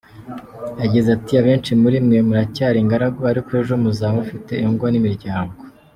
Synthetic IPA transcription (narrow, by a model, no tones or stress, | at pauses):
jaɟizatiaβe̞ːnt͡ʃimuɾimŋe̞muɾacaːɾiŋɡaɾaɡoaɾikwoeʒomuzaːmufite̞ːŋɡonimiɾɟaːŋɡo